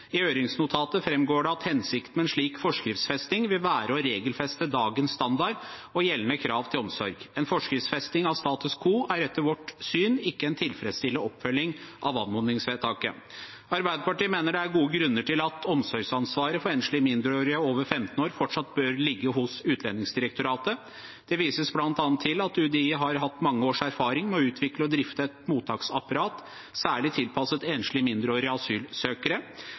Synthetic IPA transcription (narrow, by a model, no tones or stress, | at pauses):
ɪøːɾɪŋsnʊt̪ʰɑːt̪əfɾɛmɡoːɖɛɑt̪hɛnsɪkt̪mɛnʂɭiːkfɔʂkɾɪft̪sfɛst̪ɪŋʋɪlʋæːɾəɔɾeːɡəlfɛst̪əd̪ɑːɡənsst̪ɑnd̪ɑɾɔjɛlːənəkʰɾɑːʋt̪ʰɪlɔmsɔɾɡɛnfɔʂkɾɪftsfɛst̪ɪŋɑʋst̪ɑːt̪ʉskʰuːʔæɾɛt̪ːəɾʋɔʈsyːnɪkːəɛnt̪ʰɪlfɾɛd̪st̪ɪlːəɔpːfœlːɪŋʔɑʋɑ̰nmʊnɪŋsʋeːt̪ʰɑːkə̰ | ɑɾbæɪd̪əpɑʈiːmeːnəɖɛæɾɡuːəɡɾʉnːəʈʰɪlɑt̪ɔmsɔɾɡsɑnsʋɑːɾəfɔɾeːnʂlɪmɪnd̪ɾəoːɾɪəoːʋəɾfɛmt̪ən̩oːɾfɔʈʂɑt̪bøːɾlɪɡːəɦʊsʉːt̪ʰlɛnːɪŋsd̪ɪɾəkt̪ʊɾɑːt̪ə | dd̪̥ɛʋiːsəsblɑnt̪ɑːnt̪ʰːɪlɑt̪ʉd̪ɛiːəɦɑɾɦɑt̪ːmɑŋːəoːʂæɾfɑːɾɪŋmɛɔʉːt̪ʰʋɪkləɔd̪ɾɪft̪əɛt̪muːt̪ʰɑːksɑpɑɾɑːt̪ | sæːɭɪt̪ʰɪlpʰɑsət̪eːnʂlɪmɪnd̪ɾoːɾɪɑsyːlsøːkəɾə